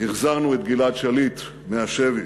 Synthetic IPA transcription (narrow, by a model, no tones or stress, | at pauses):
hiχzaʁnuet̪̚ɡilatʃalit̪ | meaʃevi